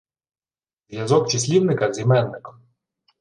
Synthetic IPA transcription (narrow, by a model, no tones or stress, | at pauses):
zjazɔkt͡ʃisʲlʲiwnɪkɐzʲimɛnːɪkɔ̥